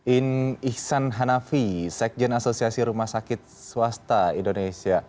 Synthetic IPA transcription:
inihsanɦanafisɛk̚d͡ʒənasosiasiɾumasakɪt̪̚suast̪aindonesia

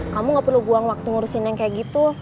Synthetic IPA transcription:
kamuŋɡapərluɡuaŋwak̚t̪uŋuɾusinaŋkajaʔɡit̪u

